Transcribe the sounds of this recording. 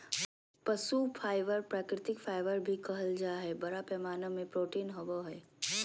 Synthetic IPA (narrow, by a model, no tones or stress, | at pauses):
pɐsupʰaːɪʋəɾpɾaːkɾɪt̪ɪkpʰaːɪʋəɾbʱikɐɦəld͡ʒaːɦɛːbɐɾapɛːmaːnəmːẽpɾoːʈiːnɦɐboɦɛː